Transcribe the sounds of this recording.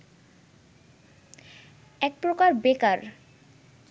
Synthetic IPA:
ɛk̚pɾokaɾbekaɾ

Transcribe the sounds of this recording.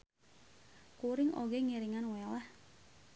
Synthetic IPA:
kuɾɪŋo̰ɡɛŋiɾiŋanwɛlah

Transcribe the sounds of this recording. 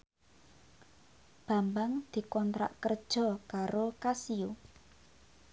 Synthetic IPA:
b̥ä̤mbaŋd̪̥i̤kɔnt̪ɾa̰ʔkərd̥ʒ̥ɔ̤kaɾokasiu

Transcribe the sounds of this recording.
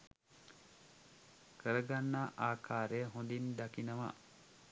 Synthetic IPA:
kəɾəɡanːaʔaːkʰaːɾəjəɦond̪ind̪akinəʋa̰

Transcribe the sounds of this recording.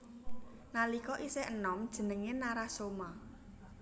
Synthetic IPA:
nalikɔʔiseʔənɔmd̥ʒ̥ə̤nəŋenaɾasoma

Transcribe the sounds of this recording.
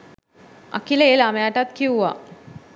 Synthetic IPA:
a̰kiləelamejaʈat̪kiuʋa̰

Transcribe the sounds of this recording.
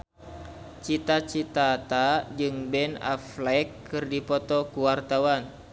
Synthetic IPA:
t͡ʃit̪at͡ʃit̪at̪ad͡ʒɨŋbɛna̰flɛkʰːɨrdipɔt̪ɔkuwart̪awan

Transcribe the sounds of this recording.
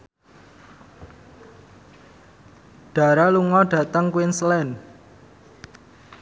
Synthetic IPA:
ɖ̥a̤ɾaluŋɔɖ̥ä̤t̪əŋkwɪnslɛn

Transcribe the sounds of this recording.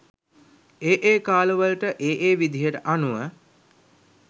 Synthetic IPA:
eːʔeːkaːluʋəlʈəʔeːʔeːʋid̪ʱijəʈəʔanuʋə

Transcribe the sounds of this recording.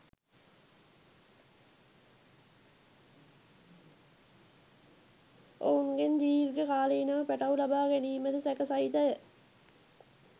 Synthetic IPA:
o̰unɡend̪iːrɡəkaːləinəʋəpæʈaulabaːɡæniːməd̪əsɛkəsait̪əjə

